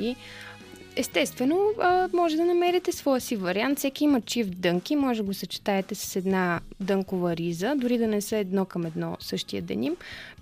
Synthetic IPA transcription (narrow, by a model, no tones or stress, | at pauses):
i | ɛst̪ɛst̪vɛnomɔʒɛd̪ɐnɐmɛɾit̪ɛsvɔjəsivɐɾiant̪sɛkiimət͡ʃifd̪ɤŋkimɔʒɛɡosət͡ʃi̥t̪aɛt̪ɛsə̥sɛd̪nad̪ɤŋkovəɾizəd̪ʊɾid̪ɐnɛsəɛd̪nɔkəmɛd̪nɔsɤʃt̪ijə̰d̪ɛ̰nim